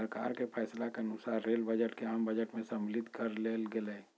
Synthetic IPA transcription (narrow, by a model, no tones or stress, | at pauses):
əɾka̰ːɾkepʰɛːslakeɐnʊsaːɾɾeːlbəd͡ʒəʈkeɦəmbəd͡ʒəʈmẽsəmlɪt̪kəɾleːlɡeleː